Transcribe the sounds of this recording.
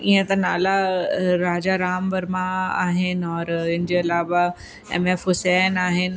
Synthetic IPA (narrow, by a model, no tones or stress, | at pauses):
iẽt̪ɐ̃naːlaɾaːd͡ʑaɾaːmbɐɾmãa̰ːɦɪnɔːɾɪnd͡ʑeɐlaːʋa | ɛ̰mefɦʊsɛːnaːɦɪn